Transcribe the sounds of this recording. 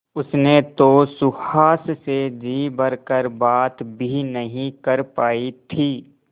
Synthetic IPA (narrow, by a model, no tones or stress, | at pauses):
ʊsnet̪osʊhaːssed͡ʒiːbəɾkəɾbaːt̪bʱinəɦĩkəɾpaːit̪ʰiː